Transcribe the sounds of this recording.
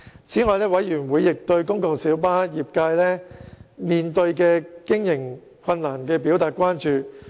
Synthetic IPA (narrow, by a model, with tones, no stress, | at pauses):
t͡sʰiː˨˥ŋɔː˨˧jlɛː˥wɐ˨˥jjyː˨˩nwuː˨˧jːɪ˨k̚t̪ɵ˧ɥkʊ˥ŋkʊ˨˧ŋsiː˨˥wpaː˥jiː˨p̚kaː˧jlɛː˥miː˨nt̪ɵ˧ɥkɛː˧kɪ˥ŋjɪ˨˩ŋ | kʰɐ˧nnaː˨˩nkɛː˧pi˨˥wt̪aː˨t̚kʷwaː˥nt͡ʃyː˨˧